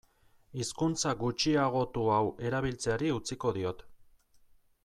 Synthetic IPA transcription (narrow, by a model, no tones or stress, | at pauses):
iskunt͡saɡut͡ʃiaɣ̞o̞t̪uawe̞ɾaβ̞ilt͡seaɾiut͡siko̞ðio̞t̪